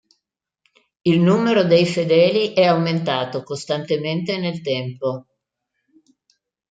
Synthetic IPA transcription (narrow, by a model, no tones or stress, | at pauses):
ilnuːmeɾod̪ejfed̪ɛːliʔɛawment̪aːt̪okost̪ant̪ement̪enelt̪ɛmpo